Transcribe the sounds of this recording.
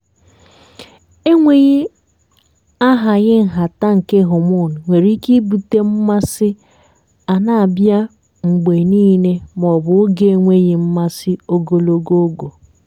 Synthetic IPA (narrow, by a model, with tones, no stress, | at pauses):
e˦ŋʷe˨ɣi˦ | a˦ɦa˨ɣɪ˦ŋ̩˨ɦa˨ta˦ŋ̩˨ke˦ɦʊ˨mʊ˦˨n̩˨ŋʷe˨ɾi˦ki˦bu˨te˦m̩˦ma˦sɪ˦ | a˨na˨a˨bja˦ | ŋ͡m̩˨ɡ͡be˨niː˦ne˦m˨ɔ˨bʊ˨˦ɡe˦e˦ŋʷe˦ɣɪ˨m̩˦ma˦sɪ˦o˦ɡo˨lo˦ɡo˦o˦ɡo˨